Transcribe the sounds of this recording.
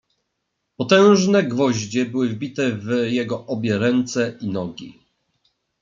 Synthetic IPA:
pɔt̪ɛ̃w̃ʐnɛɡvɔʑd͡ʑɛbɘwɘvbʲit̪ɛvjɛɡɔʔɔbʲjɛɾɛnt̪sɛinɔɡʲḭ

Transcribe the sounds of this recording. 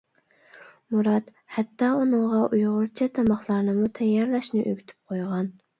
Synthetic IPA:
muɾɑt̪ | hɛt̪ːɑːunɨŋʁɑʔujʁʊɾt͡ʃʰɛt̪ʰɑmɑχlˠɑɾnɨmut̪ʰɛjːɑɾlɛʃnɪʔøɡʲyt̪ʰy̥p̚qʰojʁɑn

